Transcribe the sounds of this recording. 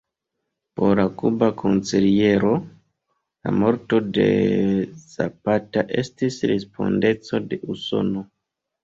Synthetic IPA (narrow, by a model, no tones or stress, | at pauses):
po̞ɾlakubakʰo̞nsilije̞ɾo̞ | la̰mo̞ɾto̞de̞̰ | za̰pataʔe̞stisɾespo̞̰nde̞t͡so̞de̞ʔuso̞̰no̞